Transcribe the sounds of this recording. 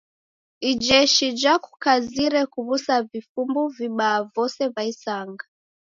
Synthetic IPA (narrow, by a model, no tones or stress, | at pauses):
id͡ʒɛʃid͡ʒaku̥kaziɾɛkuβusavifumbuviɓaːvɔsɛvaisaŋɡa